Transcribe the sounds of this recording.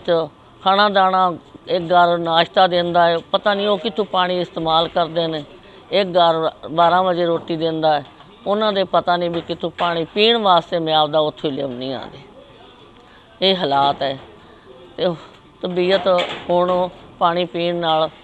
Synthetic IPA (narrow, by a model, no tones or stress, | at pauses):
t͡ʃ | kʰaːɽãːd̪aːɳãːɪk̚ɡəɾnaːʃt̪aːd̪ẽnd̪aːɛːpət̪aːnĩːoːkɪt̪ʰːũːpaːɽ̃iːɪst̪eːmaːlkəɾd̪eːneː | ɪk̚ɡəɾbaːɾãːʋəd͡ʒeːɾoːʈiːd̪ɪ̃nd̪aːɛː | ʊnãːd̪eːpət̪aːnĩːbiːkɪt̪ʰũːpaːɽ̃ĩːpiːɳʋaːst̪eːmɪjaːʋd̪aːʊt̪ʰːiːlɪ̰mnḭ̃ːã̰ːnd̪eː | eːɦəlaːt̪ɛː | t̪eː | t̪əbiːət̪ɦoːɳopaːɽ̃iːpiːɳnaːl